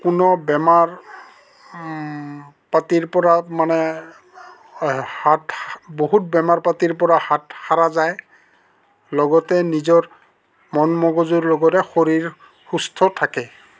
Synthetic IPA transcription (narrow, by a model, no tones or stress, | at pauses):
kunɔbɛmaɹ | patiɹpɔɹamanɛ | hatboɦut̚bɛmaɹpatiɹpɔɹahatxaɹazaj | lɔɡɔtɛnizɔɹ | mɔnmɔɡɔzuɹlɔɡɔtɛxoɹiɹ | xustʰɔtʰakɛ